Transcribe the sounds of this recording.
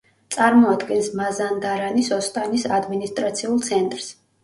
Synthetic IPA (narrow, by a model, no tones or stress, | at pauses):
t̪sʼaɾmɔad̪ɡɛnsmazand̪aɾanisɔst̪ʼanisad̪minist̪ʼɾat̪sʰiulˠt̪sʰɛnt̪ʼɾs